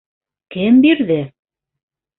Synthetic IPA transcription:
kɘmbiɾðɘ

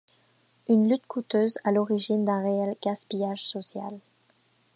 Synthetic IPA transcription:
ynlyt̪kʰut̪øzalɔʁiʒind̪ɛ̃ʁeɛlɡaspijaʒsɔsja̰l

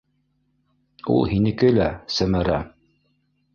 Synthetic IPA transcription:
ṵlˠhinɘ̆kɘlæsæmæɾæ̰

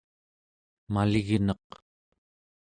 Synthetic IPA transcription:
malɪɣnɑq

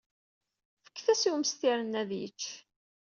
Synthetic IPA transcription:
fə̥kːθæsiwməst̪iɾənːæðjə̰t͡ʃː

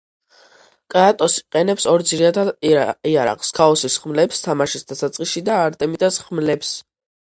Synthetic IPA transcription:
kʼaat̪ʼɔsi̥qʼɛnɛpsɔɾd̪ziɾad̪aiaɾa̰qʼskʰaɔsisχmlɛpst̪ʰamaʃisd̪asat̪sʼqʼiʃid̪aːɾt̪ʼɛmit̪ʼasχmlɛps

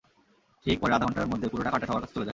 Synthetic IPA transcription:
ʈʰik̚pɔɾeɾad̪aɦɔnɳʈaeɾmod̪ʱːepuɾoʈakaʈeʃɔbaɾkat͡ɕʰe̥t͡ɕoled͡ʑa

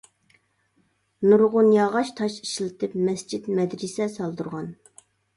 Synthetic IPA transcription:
nuɾʁʊnjɑʁɑʃt̪ʰɑʃi̥ʃilˠɪt̪ʰɪpmɛsd͡ʒit̪mɛd̪ɾɪsɛsɑlˠd̪uɾʁɑn

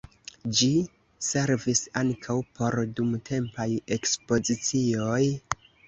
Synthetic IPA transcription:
d͡ʒi | se̞ɾvisaŋkʰawpʰo̞ɾdumtʰe̞mpaje̞kspo̞zit͡sio̞j

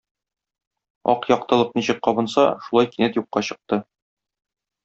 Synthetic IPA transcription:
ɒ̰qjɒqt̪ɤ̆lˠɤq̚niɕɘk̚qɒbɤ̆nsɑ̰ʃulˠɑjkinɘt̪juqːɑɕɤ̆q̚t̪ɤ

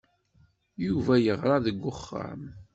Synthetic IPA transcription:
juvæjəʁɾˤɑðəɡʷːʊχːə̰ɾˤm

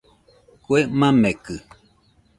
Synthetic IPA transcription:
kuemãmekɨ

